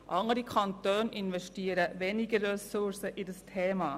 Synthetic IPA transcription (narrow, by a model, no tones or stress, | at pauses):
ʔɑŋəɾikʰɑnt̪øːnɪnʋɛʃtiːəɾəvɛnɪɡəːɛsʊɾsəʔɪdəstʰɛːmɑː